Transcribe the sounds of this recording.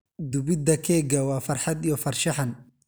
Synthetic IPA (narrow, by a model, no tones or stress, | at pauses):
d̪ʊbɪd̪ɐkʰɛːɡɐwɑːfɐrħɑd̪ijɔfɐrʃɑħɐn